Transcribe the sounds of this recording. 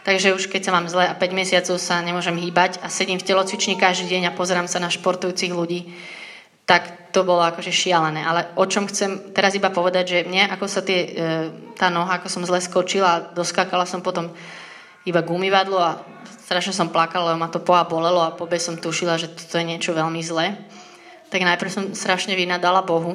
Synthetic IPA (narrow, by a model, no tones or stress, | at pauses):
t̪aɡʒɛuʃkɛcsamaːmzlɛapɛɟmɛsɪat͡sɔʊsaɲɛmʊɔʒɛmɦiːbacasɛɟimfcɛlɔt͡sʋit͡ʃɲikaʒd̪iːɟɛɲapɔzɛɾaːmsanaʃpɔɾt̪ujuːt͡siɣluɟiː | t̪ak | t̪ɔbɔlɔakɔʒɛʃɪalɛnɛːʔalɛʔɔt͡ʃɔmxt͡sɛmt̪ɛɾazibapɔʋɛd̪aɟʒɛmɲɛʔakɔsat̪ɪɛ | t̪aːnɔɦaakɔsɔmzlɛskɔt͡ʃilaːd̪ɔskaːkalasɔmpɔt̪ɔm | ibaɡumiʋad̪lɔa | sst̪ɾaʃɲɛs̬ɔmplakalalɛbɔmat̪ɔpɔabɔlɛlɔapɔbɛsɔmt̪uʃilaʒɛt̪ɔ̥t̪ɔjɛɲɪɛt͡ʃɔʋɛlmizlɛː | t̪aɡnajpɾ̩sɔmst̪ɾaʃɲɛʋinad̪alabɔɦu